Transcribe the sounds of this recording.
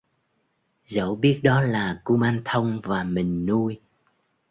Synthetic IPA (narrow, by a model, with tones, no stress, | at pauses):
zə̰˧˩wɓi˦˥ət̚ɗɔ˨˦laː˨˩ku˧maː˧nt̪ʰə˧wŋ͡mvaː˨˩mï˨˩ŋ̟nu˧əj